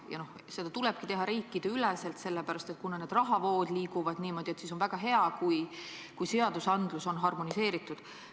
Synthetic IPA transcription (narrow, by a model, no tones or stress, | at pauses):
jɑ̰no̞h | se̞d̪̥ɑt̪ulɛb̥kit̪e̞ɦɑɾiːkːid̪̥eylɛse̞lt̪se̞lːepæɾɑst̪et̪̚kunɑne̞ːd̪rɑɦɑvo̞ːd̪̥liːkuvɑd̪niːmo̞d̪̥ʲie̞t̪siso̞nvæɡ̥ɑɦe̞ɑkuj | kujse̞ɑd̪̥usɑnd̪̥luso̞nɦɑrmonise̞ːɾit̪ːˑud̪̥